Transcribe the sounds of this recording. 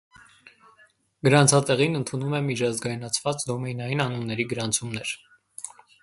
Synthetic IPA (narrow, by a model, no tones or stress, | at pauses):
ɡ̥əɾɑnt͡sʰɑt̪ɛʁinənt̪ʰunumɛmit͡ʃʰɑzɡɑjinɑt͡sʰvɑt͡sd̪ɔmɛjnɑjinɑnunːɛɾiɡəɾɑnt͡sʰumnɛɾ